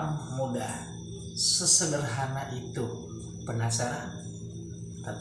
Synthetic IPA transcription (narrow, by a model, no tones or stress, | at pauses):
ŋmuda̰ | səsəbərɦanaʔit̪u | pənasaɾan | t̪at̪